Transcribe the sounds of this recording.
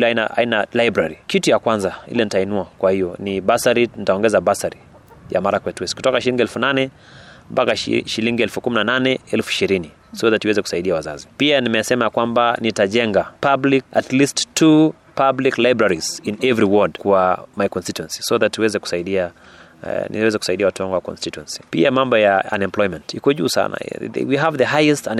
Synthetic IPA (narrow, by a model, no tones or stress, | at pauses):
linaʔa̰inalajbɾaɾikitujakwanzaḭlɛnitainuakwahijɔniɓasaɾinitaɔŋɡɛzabasaɾi | ja̰maɾakwɛtwɛsku̥tɔkaʃiliŋɡiɛlfunanɛ | mpakaʃiliŋɡiɛlfukuminananɛɛlfuiʃiɾini | sɔðatuwɛzɛku̥saiɗiawaza̰zipianimɛsɛmaakwambanitaʄɛŋɡapablikatlisttʰu | pabliklajbɾaɾiz̥inɛvɾiwɔdkwamajkɔnstituɛ̃nsi̥soðatiwɛzɛku̥saiɗia | nḭwɛzɛku̥saiɗiawatuwaŋɡuwakɔ̰nstituɛ̃nsi̥piamambɔjaa̰nɛmplɔjmɛ̃ntikɔʄuːsa̰na̰wiɦavðəɦajɛstn